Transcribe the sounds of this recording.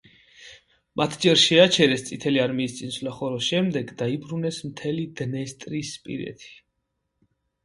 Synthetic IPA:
mat̪ʰd͡ʒɛɾʃɛat͡ʃʰɛɾɛst̪sʼit̪ʰɛliaɾmiːst̪sʼinslaχɔɾɔsʃɛmd̪ɛɡd̪aibɾunɛsmt̪ʰɛlid̪nɛst̪ʼɾispʼḭɾɛ̰t̪ʰi̥

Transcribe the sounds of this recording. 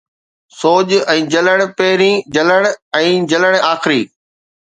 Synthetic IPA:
soːʄɛ̃ːd͡ʑɐləɽ̃̆pɐɦɪɾĩd͡ʑɐləɽ̃ɛ̃ːd͡ʑɐləɽ̃aːxɪɾiː

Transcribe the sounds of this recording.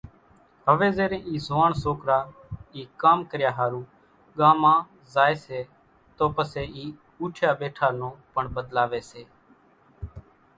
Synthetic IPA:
ɦəʋeːzeːɾẽːʔiːzoaːɳsoːkɾaːiːkaːmkəɾjaːɦaːɾũː | ɠaːmãː | zaːeːseː | t̪oːpəseːiː | uːʈʰjaːɓeːʈʰaːnõːpəɳɓəd̪laːʋeːseː

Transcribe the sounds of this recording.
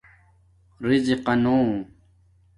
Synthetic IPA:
ɾiziqɐnoː

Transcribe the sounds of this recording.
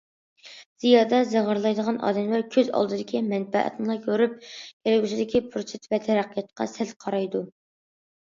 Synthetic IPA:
z̥ijɑːd̪ɑzəʁəɾlˠɑjd̪əʁɑnʔɑ̰ːd̪ɛmlæɾkʲʰøzɑ̰lˠd̪ɨd̪ɪkʲimɛnbɛ̰ʔɛ̰t̪nɨlˠɑkʲʰøɾyp̚ɡ̥ʲelɪɡʲyʃɪd̪ɪkʲʰipʰɾoset̪ʰvɛt̪ʰɛɾæqjɛt̪̚qʰɑ̰sɛlqʰɑɾɑjd̪u

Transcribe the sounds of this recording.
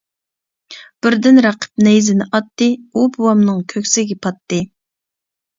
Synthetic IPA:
b̥ɪɾd̪ɪnɾɑqʰə̥p̚nɛjzɪnɪʔɑt̪ːɨubuwɑmnɨŋkʲʰøkʲsɪɡʲɛpʰɑt̪ːɨ

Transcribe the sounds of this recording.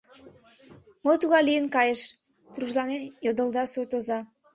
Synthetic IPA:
mot̪uɣɑlijənkɑjəʃ | t̪ruʒlɑnejod̪əld̪ɑsurt̪ozɑ

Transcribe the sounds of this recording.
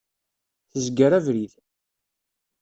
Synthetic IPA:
θəzɡəɾævɾiθ

